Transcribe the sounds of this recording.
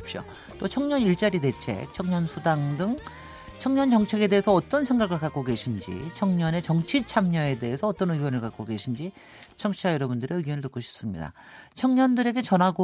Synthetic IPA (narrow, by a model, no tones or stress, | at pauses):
ip̚ɕ͈o̰ | t͈ot͡ɕʰʌŋɲʌniɭt͡ɕ͈aɾide̞t͡ɕʰe̞̰k̚t͡ɕʰʌŋɲʌnsʰudaŋdɯŋ | t͡ɕʰʌŋɲʌnt͡ɕʌŋt͡ɕʰe̞ɡe̞de̞ːesʰʌːt͈ʌnsʰeŋɡaɡɯɭkak͈oɡe̞ɕʰind͡ʑḭt͡ɕʰʌŋɲʌne̞t͡ɕʌŋt͡ɕʰit͡ɕʰamɲʌe̞de̞esʰʌʌt͈ʌnɯɡjʌnɯɭkak͈oɡe̞ɕʰind͡ʑi | t͡ɕʰʌŋt͡ɕʰiajʌɾʌbundɯɾeɯɡjʌnɯɭtɯk͈oɕʰi̥p̚s͈ɯmɲḭda̰ | t͡ɕʰʌŋɲʌndɯɾe̞ɡe̞t͡ɕʌnɦaɡo